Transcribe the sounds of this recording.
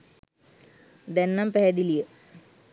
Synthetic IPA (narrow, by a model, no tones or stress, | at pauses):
d̪ɛnːampɛɦɛd̪ilijə